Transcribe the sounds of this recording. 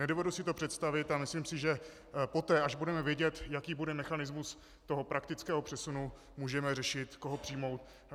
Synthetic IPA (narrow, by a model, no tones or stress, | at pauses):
nɛdovɛdusɪt̪opr̥ɛt̪st̪avɪt̪amɪsliːmsɪʒɛ | po̞t̪ɛːʔaʒbudɛmɛvjɛɟɛt̪jakiːbudɛmɛxanɪzmus | t̪o̞ɦo̞pɾakt̪ɪt͡skɛːɦo̞pr̝̥ɛsunu | muːʒɛmɛrɛʃɪt̪koɦopr̥ɪjmo̞wt̪̚